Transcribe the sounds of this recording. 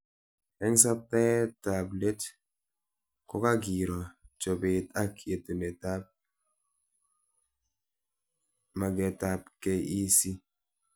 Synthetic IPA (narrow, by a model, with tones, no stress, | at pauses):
ɛ˦ŋ˦s̬a˦pɛ˦tːa˨ble˦t | kɔ˦ka˦ɡi˨ɾɔ˨t͡ʃo˨be˨ta˦ke˨tu˨ne˨ta˦p̚ | ma˨ɡɛ˨ta˨pke˦i˦si˦